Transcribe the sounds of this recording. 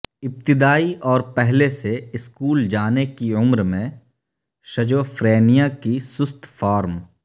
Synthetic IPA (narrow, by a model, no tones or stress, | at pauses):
ɪp̚t̪ɪd̪aːiʔɔːɾpɛɦleseɪskuːld͡ʒaːnekiʊmɾmẽ | ʃɐd͡ʒoːfɾeːnijakisʊst̪ʰfaːɾm